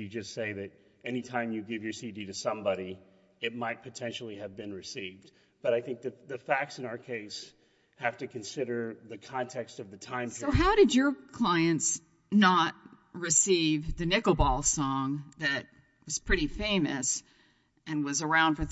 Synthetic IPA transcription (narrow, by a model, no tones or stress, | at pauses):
jɨd͡ʒʌstseɪðɨɾ | ɛnitʰãɪ̃mjɨɡɪvjə˞sidiɾɨsʌ̃mbɑɾi | ɨt̚maɪt̚pʰɨtʰɛ̃nʃl̩ˠiɨvbɨ̃nɹɨsivd̚ | b̥ʌɾaɪθɪ̃ŋk̚ðɨðɨfæk̚tsɨ̃ñaʊə˞kʰeɪs | hæftɨkʰɨ̃nsɪɾə˞ðɨkʰɑ̃ntʰɛkstʌvðɨtʰãɪ̃moʊɦaʊɾɨd͡ʒə˞kʰl̥aɪɨ̃nts | nət̚ | ɹɨsivðɨnɪkoʊbɔlˠsɔ̃ŋðɨt̚ | wʌz̥pʰɹ̥ɪɾifẽɪ̃mɨs | ɨ̃nwʌzə˞ãʊ̃nd̥fə˞